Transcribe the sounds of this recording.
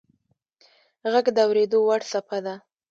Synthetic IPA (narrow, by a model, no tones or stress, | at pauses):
ɣaɡd̪əawɾed̪owaɽsapad̪a